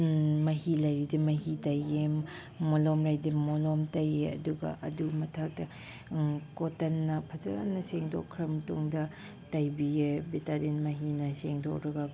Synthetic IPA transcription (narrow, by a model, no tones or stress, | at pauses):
mɐɦilajɾidimɐɦitajemː | olɔmɾajdimolɔmtajeɐ̰duɡɐ̰ʔɐ̰dumɐtʰak̚tɐ | kotɐnːɐpʰɐzɐ̰a̰nːɐseŋdɔ̰kʰːɾɐmtoŋdɐ | tajbijebetadinmɐɦinɐseŋdo̰kɾɐɡɐ